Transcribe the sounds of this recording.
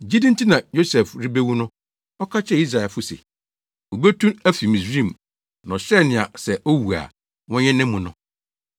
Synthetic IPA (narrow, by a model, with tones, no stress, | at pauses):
d͡ʑi˦dĩ˦n̩˦tʰi˦nã˨jo˦sɛ˨fɾɪ˦be˦wũ˦nʊ̃˦ | ɔ˦kʰa˦t͡ɕʰɛ˦i˦s̬ɾa˨ɛ˨lfʊ˦sḛ˨ | o˨be˦tʰũ˦æ˦fi˨mĩ˨sɾĩ˦˨m | nɔ̃˨ɕɛ˦nɪ̃˨a̰˨sɛ˨ʔo˦wu˨a̰˨ | wɔ̃˦ɲɛ̃˦nɪ̃˦mːũ˨nʊ̃˦